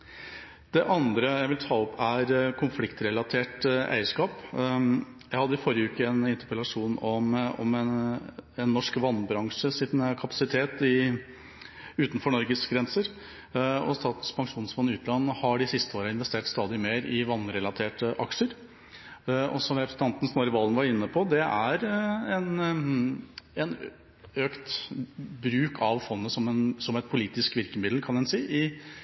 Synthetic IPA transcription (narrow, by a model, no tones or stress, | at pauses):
d̪ɛʔɑnd̪ɾəjæɪʋɪlt̪ʰɑːɔpæɾkʰʊnflɪkt̪ɾɛlɑt̪ʰeːʈʔæ̰ɪəʂkɑːp | jæɪhɑd̪ːəɪfɔɾjəʉːkəɛnɪnt̪əpɾəlɑʂuːnɔmɔ̰m | ɛnːɔʂkʋɑnːbɾɑŋʂəsɪnkʰɑpɑ̥sɪt̪ʰeːt̪ɪ | ʉːt̪n̩fɔɳɔɾɡəsɡɾɛnsəɾ | ɔ̰st̪ɑːt̪n̩spʰɑŋʂuːnsfɔnːɪʉːt̪lɑnːhɑɖɪsɪst̪əoːɾəɪnʋɛst̪eːʈst̪ɑːd̪ɪmeːɾɪʋɑnːɾɛlɑt̪ʰeːʈəʔɑ̰kʂəɾ | ɔ̰sɔmɾɛpɾsɛnʰɑnt̪n̩snɔɾɪʋɑlənʋɑɾɪnːəpʰɔd̪ɛʔæɾɛn | ɛn | øːkt̪ | bɾʉːkʰɑʋfɔnːəsɔmɛnsɔmɛt̪̚pʰʊliːt̪ɪskʋɪɾkəmɪd̪l̩kʰɑnɛnsiːʔɪ